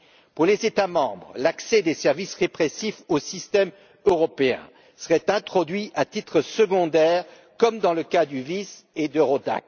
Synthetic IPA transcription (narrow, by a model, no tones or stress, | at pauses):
puʁlezet̪amɑ̃bʁlaksɛd̪esɛʁvisʁepχesifosist̪ɛm | øʁɔpeɛ̰̃ | səʁɛt̪ɛ̃t̪χɔd̪ɥiʔat̪it̪χəsəɡɔ̃d̪ɛːʁ | kɔmd̪ɑ̃ləkad̪yvised̪əʁod̪a̰k